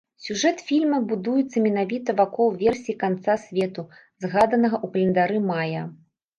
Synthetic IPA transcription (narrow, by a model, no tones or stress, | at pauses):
sʲuʐɛt̪fʲilʲmɐbud̪ujɛt̪sːɐmʲɛn̪avʲit̪ɐvakɔlˠvʲɛrsʲikant̪sasʲvʲɛt̪u | zɣad̪ɐnɐɣɐʔukɐlʲɛnd̪aɾɨmajɐ